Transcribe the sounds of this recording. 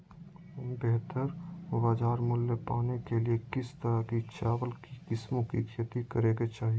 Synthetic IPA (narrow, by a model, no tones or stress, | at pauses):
bɛɦt̪əɾʋaːd͡ʒaːɾmʊlːepaːnekeliekɪst̪əɾakit͡ʃaːwəlkikɪsmõkḭkʰet̪ikəɾeːɡet͡ʃaːɦie